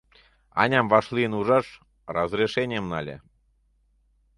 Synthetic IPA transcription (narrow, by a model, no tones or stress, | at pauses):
ɑ̰nʲɑmvɑʃliənuʐɑʃ | rɑzrʲeʃenʲemnɑ̰lʲḛ